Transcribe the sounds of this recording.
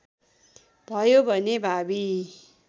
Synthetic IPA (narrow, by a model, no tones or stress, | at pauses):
b̥ʱʌjobʱʌnebʱabi